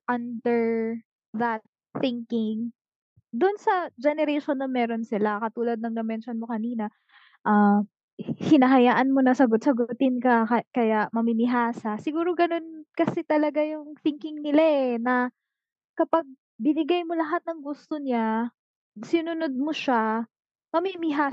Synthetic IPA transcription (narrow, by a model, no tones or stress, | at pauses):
ʔɐnd̪ɛɹ | ðɐt̪̚θɪŋkɪŋ | d̪ʊnsɐd͡ʒɛnɛɾɛjʃonːɐmɛːɾonsɪlakɐt̪uːlɐd̪̚nɐŋd̪ɛmɛnʃonmo̞kɐniːnɐ | ʔɐ | hɪnɐɦɐjaːʔɐnmo̞nɐsɐɡot̪̚sɐɡʊt̪ɪnkɐkɐkɐjaʔmɐmɪmɪɦaːsɐsɪɡuːɾo̞ɡɐno̞nkɐsɛt̪ɐlɐɡajʊŋθɪŋkɪŋnɪlaʔɛnɐ | kɐpaɡ̚ | bɪnɪɡajmolɐɦat̪̚nɐŋɡust̪oɲa | sɪnʊnod̪̚moʃa | mɐmimɪɦaː